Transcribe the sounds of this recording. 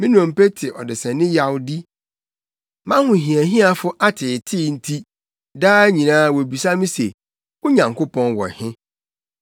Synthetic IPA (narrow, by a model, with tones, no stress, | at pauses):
mɪ̃˦nɔ̃˨m̩˨pe˦tʰɪ˨ʔɔ˨dɪ˨sɛ̃˨nɪ̃˦ja˦wdi˦ | mã˦hʊ̃˨ɦĩ˨æ˨ɦĩ˦a˨fʊ˦ʔa˦tʰɪ˨tʰɪ˦n̩˦tʰi˦ | daː˦æ˦ɲĩ˨nãː˦˨wɔ˨bi˨sa˦mĩ˦se˨ | ʊ˦ɲã˨ŋkʰo˦pʰɔ̃˦nwɔ̰˨hɪ̃˦